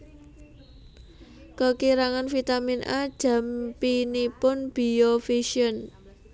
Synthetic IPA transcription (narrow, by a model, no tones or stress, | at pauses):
kəkiɾaŋanfit̪aminʔa̰d̥ʒ̥ä̤mpinipʊnb̥i̤ofiʃiən